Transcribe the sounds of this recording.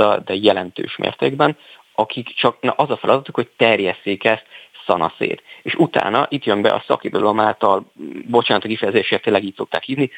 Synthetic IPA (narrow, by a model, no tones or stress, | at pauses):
ɒd̪ɛjɛlɛnt̪ø̰ːʃmʔḛːrt̪eːɡbɛn | ɒkʰikt͡ʃɒknʔɒzɒfɛlɒd̪ɒt̪ukho̞c̚t̪ɛrjɛsːeːkɛst̪sɒnɒ̰sḛːt̪eːʃut̪a̰ːnɒʔit̪jømbɛ̰ʔɒ̰sɒ̰kid̪od̪ɒlomaːlt̪ɒlbo̞t͡ʃaːnɒt̪ːkifɛjɛzeːʃeːt̪eːlːɛɡiːc̚so̞k̚t̪aːkhiːvni